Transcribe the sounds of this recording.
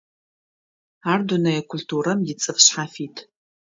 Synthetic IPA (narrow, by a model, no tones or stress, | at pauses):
aːrdunɐjɛkʷʰʊltʰuːɾɐmjɪt͡sʼɨfɕħafiːtʰ